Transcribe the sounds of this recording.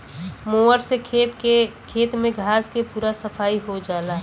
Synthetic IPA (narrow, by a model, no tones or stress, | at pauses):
moːəɾseeekʰeːt̪mẽɡʱaːzkepuːɾasəpʰaːiɦod͡ʒaːlaː